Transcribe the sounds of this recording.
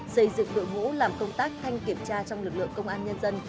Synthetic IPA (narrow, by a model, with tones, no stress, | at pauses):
sə˧jzɨ̰˧˨ŋɗo̰˧˨jmo̰˧˥laː˨˩mkə˧wŋ͡mt̪aː˦˥k̚t̪ʰa˧jŋ̟ki˨˩əmt͡ɕaː˧t͡ɕɔ˧wŋ͡mlɨ˨˩k̚lɨ̰˧˨əŋkə˧wŋ͡mʔaː˧nɲə˧nzə˧n